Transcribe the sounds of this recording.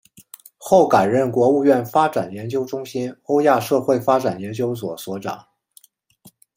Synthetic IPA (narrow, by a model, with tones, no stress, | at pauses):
xo˥˩ʊka˨˩ɪɻə˥˩nkwɔ˧˥u˥˧ɥɛ˥˩nfa˥ʈ͡ʂa˨˩njɛ˧˥nt͡ɕjo˥ʊʈ͡ʂʊ˥ŋɕi˥no˥ʊja˥˧ʂɤ˥˧xwe˥˩ɪfa˥ʈ͡ʂa˨˩njɛ˧˥nt͡ɕjo˥ʊswɔ˨˩swɔ˧˥ʈ͡ʂɑ̰˨˩˦ŋ